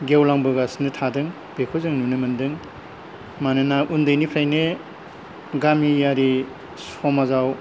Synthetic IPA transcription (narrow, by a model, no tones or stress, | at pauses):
ɡewlaŋbɯɡasnɯtʰadɯŋ | b̥ekʰozɯŋnunɯmɯndɯŋ | manɯnaʔundɯjnipʰɾajne | ɡamijaɾi | sɔmazaw